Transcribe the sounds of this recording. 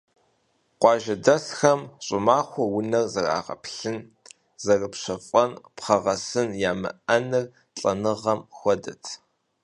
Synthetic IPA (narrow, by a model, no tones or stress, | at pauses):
qʷɑːʒɐdɐsxɐmɕʼʊmaːxʷɔwʊnɐrzɐra̰ːʁɐ̰pɬɨn | zɐrɨpɕʷɐfʼɐnpχɐʁɐsɨnjaːmɨ̰ʔɐnɨr | ɬʼɐnɨʁɐmxʷɔdɐtʰ